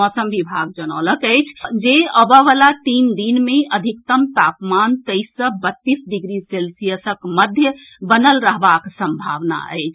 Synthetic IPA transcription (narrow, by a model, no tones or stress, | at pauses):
mɔsəmʋibʱaɡ̚d͡ʒənələkəjt͡ʃʰd͡ʒeəbəʋalat̪ind̪inmeəd̪ʱik̚t̪əmt̪apmant̪əɪsəbət̪ːisɖiɡɾiselsijəsəkməd̪ʱjəbənəlɾəɦbaksə̃mbʱaʋna̰ə̰ɪt͡ʃʰ